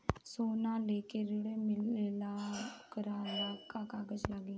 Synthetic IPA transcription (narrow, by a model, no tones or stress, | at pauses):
soːnãːleːkeːɾʊɽeːmɪlːlaːkəɾaːaːkaːkaːɡəd͡ʒlaɡiː